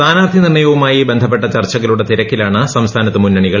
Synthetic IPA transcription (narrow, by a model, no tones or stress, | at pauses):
t̪aːnaːrt̪ʰinirɳːɐjɐʋumaːjibe̞nd̪ʱɐp̬ːe̞ʈːɐt͡ɕɐrt͡ɕːɐɣɐluɽe̞t̪iɾɐkːilaːɳɨsɐmst̪ʰaːnɐt̪ːɨmunːɐɳiɣɐɭ